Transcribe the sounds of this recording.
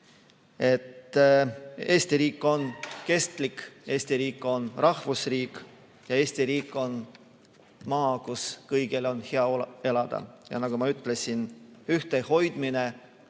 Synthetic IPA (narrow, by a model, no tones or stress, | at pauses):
e̞t̪ | e̞ːst̪iɾiːkˑːo̞nke̞st̪like̞ːsʲt̪iɾiːkːˑo̞nrɑhvusriːkˑ | jɑe̞ːsʲt̪iɾiːkːˑo̞n | mɑːkuskɤjɡ̥elo̞nheɑe̞lɑd̪̥ɑ̰jɑ̰nɑɡ̥umɑyt̪ːˑle̞sʲinyht̪eho̞jd̪̥mine̞